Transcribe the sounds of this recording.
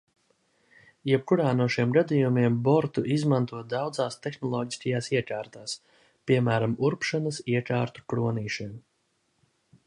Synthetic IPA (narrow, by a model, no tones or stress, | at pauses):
jɛb̚kuɾaːnuɔʃiɛmɡad̪ijumiɛmbɔɾt̪uʔizmant̪uɔd̪awd̪zaːst̪exnɔlˠɔːɟiskajaːsiɛkaːɾt̪aːs | pʲiɛmæːɾamuɾpʃanəsiɛkaːɾt̪u̥kɾuɔniːʃim